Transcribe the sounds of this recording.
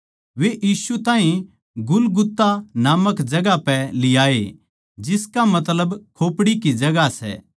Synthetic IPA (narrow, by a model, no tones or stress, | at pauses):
ʋeʔiːsut̪aːɦĩ | ɡʊlɡʊt̪ːanaːməkd͡ʒɐɡapɛlɪjaːḛ | d͡ʒɪskamɐt̪ləbkʰoːpɽikid͡ʒɐɡasɛ̰ː